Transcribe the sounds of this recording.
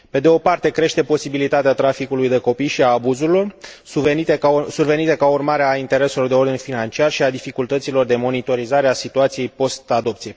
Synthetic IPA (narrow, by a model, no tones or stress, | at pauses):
pe̞d̪eo̞part̪e̞kɾe̞ʃt̪e̞po̞sibilit̪at̪eat̪ɾafikulujd̪e̞ko̞pijʃiaːbuzuɾilo̞renit̪esurve̞nit̪e̞kaurmaɾeaint̪e̞ɾe̞selo̞rd̪eo̞rd̪infinant͡ʃiarʃiad̪ifikult̪ət̪silo̞rd̪e̞mo̞nit̪o̞ɾizaɾeasit̪uat̪sije̞jpo̞st̪ad̪o̞pt̪sije̞